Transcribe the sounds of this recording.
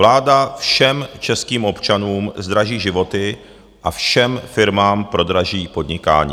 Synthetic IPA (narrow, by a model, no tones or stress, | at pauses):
laːdafʃɛmt͡ʃɛskiːmʔo̞pt͡ʃanuːmzd̪ɾaʒiːʒɪvo̞t̪ɪ | ʔafʃɛmfɪɾmaːmpɾo̞d̪ɾaʒiːpo̞d̪ɲɪka̰ːɲḭ